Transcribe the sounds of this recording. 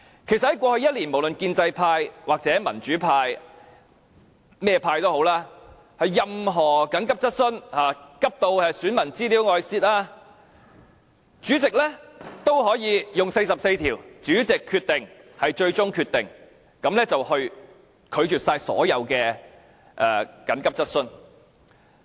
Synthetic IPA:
kʰe˨˩sɐt̚hɐ˨˩jkʷɔː˧hɵ˧ɥjɐ˥t̚liː˨˩nmo˨˩wlɵ˨nkiː˧nt͡sɐ˧jpʰaː˧jwaː˨k̚t͡sɛː˨˥mɐ˨˩nt͡ʃyː˨˥pʰaː˧j | mɛː˥jɛ˧pʰaː˧jt̪o˥who˨˥wlaː˥ | hɐ˨jːɐ˧mɦɔː˨˩kɐ˨˥ŋkɐ˥p̚t͡sɐ˥t̚sɵ˥nhaː˨˩kɐ˥p̚t̪o˧wɛ˨syː˨˥nmɐ˨˩nt͡siː˥liː˨˥wŋɔː˨˧jsiː˧˥t̚ʔaː˥ | t͡ʃyː˨˥t͡sɪ˨k̚lɛ˥t̪o˥whɔː˨˥jiː˨˧jʊ˨ŋse˧jsɐ˨p̚se˧jt̪ʰiː˨˩wt͡syː˨˥t͡sɪ˨kʰːyː˧t̪ɪ˨ŋhɐ˨˩jt͡ʃɵ˧ɥt͡sʊ˥ŋkʰyː˧t̪ɪ˨˩ŋ | kɐ˨˥mlɛː˥t͡sɐ˨whɵ˧ɥ | kʰɵ˨˧ɥt͡ʃyː˨t̚saː˧jsɔ̰ː˨˥jɐ˨˧wkɛː˧ | ʔɛː˨kɐ˨˥nkɐ˥p̚t͡sɐ˥t̚sɵ˥n

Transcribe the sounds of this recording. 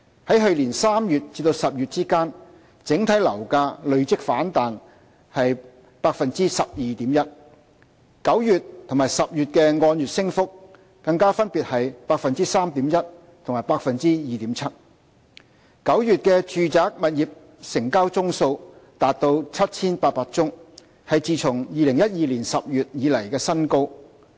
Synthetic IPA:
hɐ˨˥jɦɵ˨˧ɥliː˨˩nsaː˥mjyː˨t̚t͡siː˧t̪o˧wsɐ˨p̚jyː˨t̚t͡siː˥kaː˥n | t͡sɪ˨˥ŋt̪ʰɐ˨˥jlɐ˨˩wkaː˧lɵ˨˧ɥt͡sɪ˥k̚faː˨˥nt̪aː˨n | hɐ˨j | paː˧k̚fɐ˨nt͡siː˥sɐ˨p̚jiː˨˧t̪iː˨˥mjɐ˥t̚ | kɐ˨˥wjyː˨tt̪ʰʊ˨˩ŋmaː˨˩jsɐ˨p̚jyː˨t̚kɛː˧ŋɔː˧njyː˨t̚sɪ˥ŋfʊ˥k̚ː | ɐ˧ŋkaː˥fɐ˥npiː˨t̚hɐ˨jpaː˧k̚fɐ˨nt͡siː˥saː˥mt̪iː˨˥mjɐ˥t̚ | t̪ʰʊ˨˩ŋmaː˨˩jpaː˧k̚fɐ˨nt͡siː˥jiː˨t̪iː˨˥mt͡sʰɐ˥t̚ | kɐ˨˥wjyː˨t̚kɛː˧t͡ʃyː˨t͡saː˨˥k̚mɐ˨t̚jiː˨p̚ | sɪ˨˩ŋkaː˥wt͡sʊ˥ŋso˧wt̪aː˨˧t̚t̪o˧wt͡sʰɐ˥t̚t͡sʰiː˥npaː˧t̚paː˧˥k̚t͡sʊ˥ŋ | hɐ˨jt͡siː˨t͡sʰʊ˨˩ŋjiː˨lɪ˨˩ŋjɐ˥t̚jiː˨liː˨˩nsɐ˨p̚jyː˨t̚jiː˨˧lɐ˨˩jkɛː˧sɐ˥nko˥w

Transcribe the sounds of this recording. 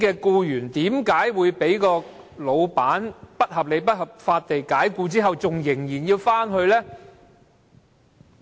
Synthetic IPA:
kɛː˧kuː˧jyː˨˩nt̪iː˨˥mkaː˨˥jwuː˨˧jpe˨˥jkɔː˧ | lo˨˧wpaː˨˥npɐ˥t̚hɐ˨p̚le˨˧jpɐ˥t̚hɐ˨p̚faː˧t̚t̪e˨jkaː˨˥jkuː˧t͡siː˥ɦɐ˨wt͡sʊ˨ŋjɪ˨˩ŋjiː˨˩njiː˧wfaː˥nɦɵ˧ɥlɛː˥

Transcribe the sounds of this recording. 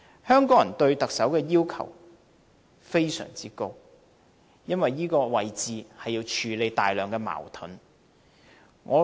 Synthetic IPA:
hœː˥ŋkɔː˨˥ŋjɐ˨˩nt̪ɵ˧ɥt̪ɐ˨k̚sɐ˨˥wkɛː˧jiː˥wkʰɐ̰˨˩w | fe˥jsœ̰ː˨˩ŋt͡siː˥ko˥w | jɐ˥nwɐ˨jːiː˥kɔː˧wɐ˨jt͡siː˨hɐ˨jːi˧wt͡ʃʰyː˨˧le˨˧jt̪aː˨jlœː˨˩ŋkɛː˧ma̰ː˨˩wt̪ʰʊ̰˨˥n | ŋɔ̰ː˨˧

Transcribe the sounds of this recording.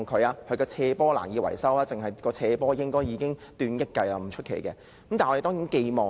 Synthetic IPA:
ŋkʰɵ˨˧ɥaː˧hʰɵ˧ɥkɔː˧t͡sʰɛː˧pɔː˥la̰ː˨˩njiː˨˧wɐ̰˨˩jsɐ˥waː˧˥t͡sɪ˨ŋɦɐ˨jkɔː˧t͡sʰɛː˧pɔː˥jɪ˥ŋkɔː˥jiː˨˧kɪ˥ŋt̪yː˧njɐ˥t̚kːɐ˧jɐ˧m̩˨˩t͡ʃʰɵ˥t̚kʰḛ˨˩jkɛː˧˨˦ | mtaː˨nʔe˨t̪ɔː˥ŋjiː˨˥nke˧jmɔː˨

